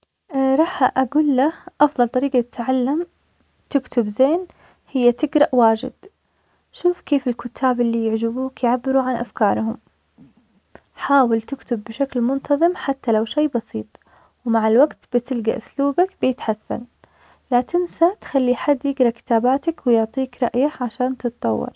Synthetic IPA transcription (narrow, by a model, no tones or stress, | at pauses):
ɾˤɑːħʔaɡuːlːaʔɑfðˤɑlt̪ˤɑɾiːɡat̪ɪ̥t̪ʕalːam | t̪ɪkt̪ʊbzeːn | hɪjːat̪ɪɡɾˤɑʔwaːd͡ʒɪ̰d̪̥ | ʃuːfkeːfɪlkʊt̪ʰːaːbɪlːijɪʕd͡ʒɪbuːkjʕabːɪɾuʕanʔa̰fkɑːɾˤɦʊm | ħaːwɪlt̪ɪkt̪ʊbːɪʃaklmʊnt̪ʰɑðˤɨmħat̪ːalawʃejːbɑsiːt̪ˤ | wmaʕɪlwaɡt̪b̥ɪt̪ɪlɡaʔʊsluːbakbjɪt̪ħasːa̰n | lat̪ɪnsat̪xalːiħad̪ːjɪɡɾˤɑʔkɪ̥t̪aːbaːt̪akwɪjʊʕt̪ˤiːkɾˤɑʔjaʕaʃaːnt̪ɨt̪t̪ˤɑwːɑ̰ɾˤ